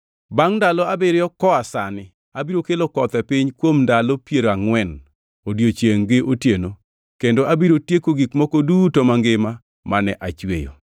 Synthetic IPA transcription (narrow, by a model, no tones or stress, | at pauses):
baŋndalɔabɪɾjɔkɔasanɪ | abiɾokelokɔt̪ɛpɪɲkwomndalopjeɾoaŋwɛn | odjot͡ʃeŋɡɪʔotjeno | kendoʔabiɾotjekoɡikmokodutomaŋɡɪma | manɛ̰ʔat͡ʃwḛjo̰